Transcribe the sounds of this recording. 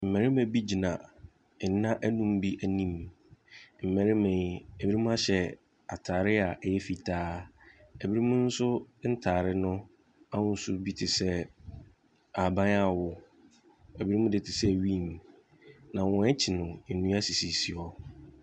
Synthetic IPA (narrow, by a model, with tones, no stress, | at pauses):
m̩˨mɛ̃˨ɾɪ˦mɛ̃˨bi˦d͡ʑi˨nã̰˨˦ | ã˦ʔæ˦nũ˦m˦bi˦ʔæ˨nĩ˦˨m | m̩˨mæ̃˨ɾɪ˦mɛ̃˨ɛ˨bi˦i˦mũ˦a˦ɕɛ˦ | a˨tʰaː˨ɾɪ˦a˨ʔjɛ˦fi˨tʰaː˦ɛ˨bi˦ɾi˦mũ˦n̩˦sʊ˦n̩˦tʰaː˨ɾɪ˦nʊ̃˦ | a˦wʊ̃˦n̩˦sʊ˦bi˦tʰɪ˨sɛ˦ | a˨bã˦na˨wʊ˨ | ɛ˨bi˦ɾi˦mũ˦dɪ˨tʰɪ˨sɛ˦˨ɥi˦˨m | nã˨wɔ̃˨ɛ˦t͡ɕʰɪ˨nʊ̃˨nũ˦a˦si˨si˨si˨ɔ˦